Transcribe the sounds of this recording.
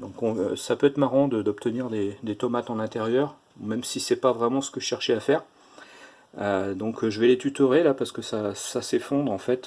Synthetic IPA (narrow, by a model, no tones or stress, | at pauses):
d̪ɔ̃kɔ̃sapøɛt̪χmaʁɑ̃d̪əd̪ɔpt̪əniʁd̪ed̪et̪ɔmat̪ɑ̃lɛ̃t̪eʁjœʁ | umɛmsisɛpavʁɛmɑ̃sə̥kəəʃɛʁʃeafɛːʁ | ød̪ɔ̃kʒəvɛlet̪yt̪øʁelapaʁsə̥kəsasasefɔ̃d̪ʁɑ̃fɛt̪